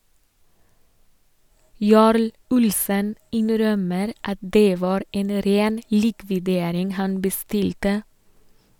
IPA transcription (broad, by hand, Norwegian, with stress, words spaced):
ˈjɑːɾl ˈʊlsən ˈɪnɾœməɾ ˈɑt ˈdeː ˈʋɑːɾ ˈeːn ə ˈɾeːn ˈliːkʋɪdeːɾɪŋ ˈhɑn bəˈstɪltə